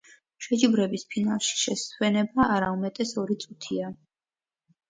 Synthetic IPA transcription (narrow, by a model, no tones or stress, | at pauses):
ʃɛd͡ʒibɾɛbispʰinalˠʃi̥ʃɛsʰwɛnɛbaʔaɾaumɛt̪ʼɛsɔɾit̪sʼut̪ʰia